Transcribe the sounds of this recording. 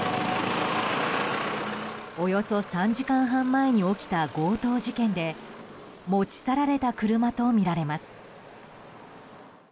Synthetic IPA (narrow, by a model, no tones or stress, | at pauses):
o̞jo̞so̞sãɲ̟d͡ʑikãɰ̃ɦãmːae̞ɲ̟io̞kʲi̥t̪aɡo̞ːt̪o̞ːʑikẽ̞nd̪e̞ | moːt͡ɕi̥saɾaɾe̞t̪akɯ̟ɾɯ̟mat̪o̞mʲiɾaɾe̞masɨ̥